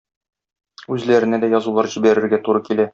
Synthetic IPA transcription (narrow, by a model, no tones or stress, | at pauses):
ʉzlæɾɘ̆næd̪æjɒzulˠɑɾʑibæɾɘ̆ɾɡæt̪uɾɤkilæ